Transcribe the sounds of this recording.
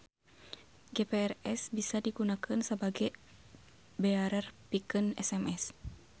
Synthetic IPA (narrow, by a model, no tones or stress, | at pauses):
ɡepeɛrɛsbisadiɡunakənsəbaɡɛ | bɛaɾɛrpikənɛ̰sɛmɛs